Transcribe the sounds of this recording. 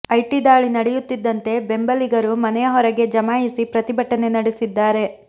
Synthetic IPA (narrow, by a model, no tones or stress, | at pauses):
ɐjʈid̪aːɭinɐɽɛjut̪ːid̪ːɐnt̪e̞be̞mbɐliɡɐɾumɐnɛjɐɦɔɾɐɡe̞d͡ʒɐmaːjisipɾɐt̪ibʱɐʈːɐne̞nɐɽesid̪ːaːɾe̞